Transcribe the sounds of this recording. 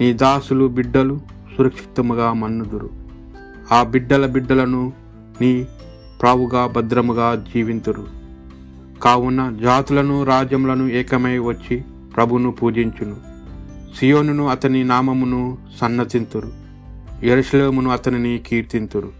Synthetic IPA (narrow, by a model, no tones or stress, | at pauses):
niːd̪aːsulubiɖːɐlu | suɾɐkʂi̥t̪ːɐmuɡaːmɐnːud̪uɾu | aːbiɖːɐlɐbiɖːɐlɐnu | ni | pɾaːʋuɡaːbɐd̪ɾɐmuɡaːd͡ʒiːʋint̪uɾu | kaːwunːɐd͡ʒaːt̪ulɐnuɾaːd͡ʒjɐmulɐnuɛːkɐmɐjʋɐt͡ʃːi | pɾɐbʱunupuːd͡ʒiɲt͡ʃunu | sijo̞ːnunuɐt̪ɐninaːmɐmunusɐnːɐt̪int̪uɾu | jeɾuʂɐleːmunuɐt̪ɐninikiːɾt̪int̪uɾu